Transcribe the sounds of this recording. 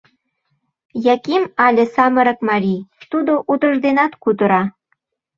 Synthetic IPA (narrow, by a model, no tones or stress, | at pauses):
jɑkimɑlʲĕsɑmɤ̆ɾɤ̆kmɑɾʲit̪ud̪oʔud̪ə̆ʒd̪enɑt̪kud̪ə̆ɾɑ